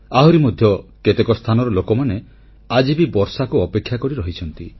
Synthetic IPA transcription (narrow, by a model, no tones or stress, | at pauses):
aɦɔɾimɔd̪ʱjɔket̪ekɔst̪ʰanɔɾɔlokɔmane | ad͡ʒibibɔɾsakuɔpekʰːjakɔɾiɾɔɦit͡ʃʰɔnt̪i